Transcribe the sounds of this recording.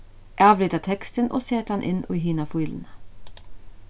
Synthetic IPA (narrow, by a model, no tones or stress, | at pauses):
ʔæːɑːʋlʏːd̪ət̪ʰɛkst̪ənʔo̰ːseːt̪ɑnʔɪ̰nʔo̰ːɦiːnɑfuːln̩ə